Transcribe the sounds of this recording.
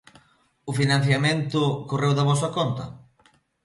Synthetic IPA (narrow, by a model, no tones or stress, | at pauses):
ʊfinãn̟θjamẽnt̪ʊkorewðɐβɔs̬ɐkɔnt̪ɐ̰